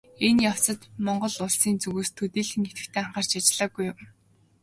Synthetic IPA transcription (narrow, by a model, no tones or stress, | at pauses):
enjaw̥sə̆t̪mɔɴɢɞ̆ɮʊɮsiːnt͡sɵɣuːst̪ʰɵt̪iːɮxɘ̆ŋet̪ɡɘ̆kt̪ʰeːaɴχaːr̥t͡ɕʰat͡ɕɪɮə̆ɡujʊm